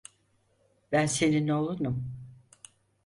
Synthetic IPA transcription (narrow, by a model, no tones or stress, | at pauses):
bænse̞ninɛolˠunum